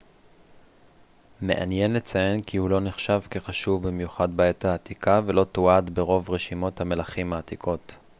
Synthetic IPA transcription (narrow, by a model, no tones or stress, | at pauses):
me̞̰ʔa̰njenle̞t͡saje̞nkihulo̞neχʃavke̞χaʃuvbimjuχad̪baethaːt̪ikʰave̞lo̞t̪oad̪be̞ʁo̞vʁeʃimo̞t̪hame̞laχimaːt̪ikʰo̞t̪